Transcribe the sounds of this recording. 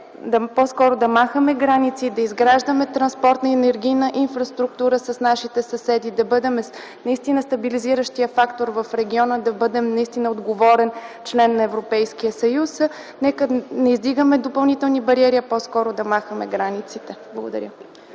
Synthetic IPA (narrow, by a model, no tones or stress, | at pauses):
d̪ɐpɔskɔɾʊd̪ɐmaxəmɛɡɾanit̪sid̪ɐizɡɾaʒd̪əmɛt̪ɾɐnspɔɾt̪nəɛnɛɾɡʲijnəʔinfɾɐst̪ɾukt̪uɾəsəsnaʃit̪ɛsɐsɛd̪id̪ɐbɤd̪ɛmɛ | nɐist̪inəst̪ɐbiliziɾəʃt̪ijəfakt̪oɾvɐfɾɛɡʲiɔnəd̪ɐbɤd̪ɛmnɐist̪inəod̪ɡovɔɾɛnt͡ʃlɛnːɐɛvɾopɛjskiəsɐjus | nɛkənɛizd̪iɡəmɛd̪opɐlˠnit̪ɛlˠnibɐɾiɛɾiəpɔskɔɾʊd̪ɐmaxəmɛ̰ɡɾanit̪sit̪ɛblˠəɡod̪ɐ̰ɾʲə